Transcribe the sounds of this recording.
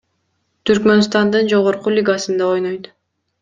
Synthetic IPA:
t̪ʰyɾkmø̞nst̪ɑnd̪ɯnd͡ʒo̞ʁoɾqulʲiɡasɯnd̪ɑojnojt̪

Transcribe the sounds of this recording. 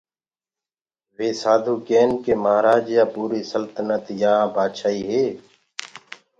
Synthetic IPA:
ʋeːsaːd̪ʱuːkeːnkeːmaːɾaːd͡ʒjaːpuːɾiːsəlt̪ənət̪jãːbaːd̪ʃaːiːɦeː

